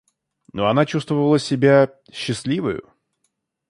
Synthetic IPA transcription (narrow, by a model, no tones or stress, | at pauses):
noɐnat͡ɕust̪vəvəlˠəsʲɪbʲa | ɕːɪsʲlʲivəjʊ̰